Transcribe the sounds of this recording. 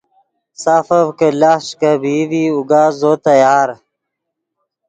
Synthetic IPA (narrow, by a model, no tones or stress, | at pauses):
saːfɐvkəlaʂkɐbiviuɡaːzot̪ɐjaːɾ